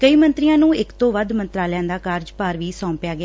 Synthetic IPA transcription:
kəiːmə̃nt̪ɾijãːnũːɪkt̪õːʋəd̪mənt̪ɾaːljãːd̪aːkaɾd͡ʒpaːɾʋiːsɔ̃ːmpjaːɡɪaː

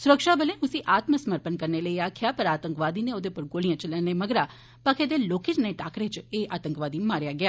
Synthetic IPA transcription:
sʊɾəkʃaːbəlẽʊsiʔaːt̪məsəməɾpənkəɾneləiaːkʰɪjapəɾaːt̪ə̃ŋkʋaːd̪inẽoːd̪epʊɾɡoːlijãt͡ʃələneməɡɾa | pəkʰed̪eloːkɪt͡ʃneʈaːkɾet͡ʃeːʔaːt̪ə̃ŋkʋaːd̪imaːɾjaɡɪjaː

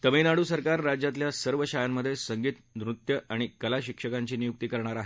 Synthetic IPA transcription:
t̪əminaɽuːsəɾkaɾːad͡ʑjat̪̬ljasəɾʋəɕajamːəd̪ʱːjesəŋɡiːt̪nɾut̪jəʔaɽ̃ikəlaɕikʂəkaɲt͡ɕiːnijuk̚t̪iːkəɾɳ̃aɾaɦe

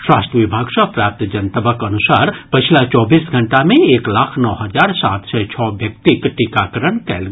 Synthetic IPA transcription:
ʃɾa̰ːsʈɾəʋɪbʱaːɡʃapɾaːp̚t̪d͡ʒɐnt̪əbəkɐnʊsaːɾpɪt͡ʃʰlat͡ʃɔːbiːsɡʱɐ̃ɳʈamẽeːklaːkʰnɔːɦɐzaːɾsa̰ːt̪sɛt͡ʃʰɔːbjɐk̚t̪ikʈikaːkəɾəɳ̃kɛːl

